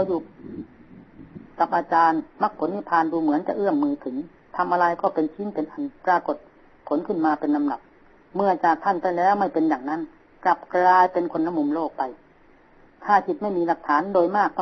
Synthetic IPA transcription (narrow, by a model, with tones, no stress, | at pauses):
a˧wjuː˧˩ | ka˨˧˩p̚ʔaː˧t͡ɕaː˧nma˧˩k̚pʰo˨˩˦nmi˧˥pʰaː˧˨nduː˧mɯ˨˩˦ənt͡ɕa˨˧˩ʔɯ˥˩əmːɯː˧t̪ʰɯ˩˦ŋ | t̪ʰa˧mʔaː˧ɾa˧jkɔː˥˩pe˧nt͡ɕʰi˧˦˥npe˨˧nʔa˧npɾaː˧ko˨˩t̪̚ | pʰːo˨˩˦nkʰɯ˥˩nmaː˧pe˧nːa˧mda˨˩p̚ | mɯ˧˩ɐt͡ɕaː˨˩k̚t̪ʰa˥˩npa˧jlɛː˦˥˩wma˥˩jpe˧njaː˨˩ŋna˦˧˥n | kla˨˦p̚kɾaː˧jpe˧nkʰo˧nːa˧mu˧mloː˥˩k̚pa˧j | t̪ʰaː˥˩kʰi˨˦t̪̚ma˥˩jmiː˧la˨˩k̚t̪ʰaː˩˦ndoː˧jmaː˥˩k̚t̪ʰɔ˧